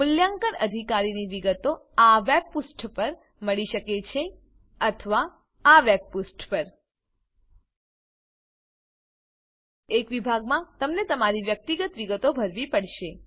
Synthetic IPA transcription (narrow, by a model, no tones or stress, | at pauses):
mʊljaŋkəɾəd̪ʱikaɾiniʋiɡət̪oaʋeb̚pusʈpəɾ | məɭiʃəket͡ʃʰe | ət̪ʰəʋa | aʋeb̚pusʈpəɾ | ekʋibʱaɡmãt̪əmnet̪əmaɾiʋjək̚t̪iɡət̪ʋiɡət̪obʱəɾʋipəɽʃe